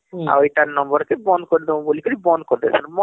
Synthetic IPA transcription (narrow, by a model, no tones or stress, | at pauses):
a̰ojʈaɾnɔ̃mbɔɾkebɔnkɔɾid̪ɔ̃bolikɔɾibɔnkɔɾd̪ɛsanmɔ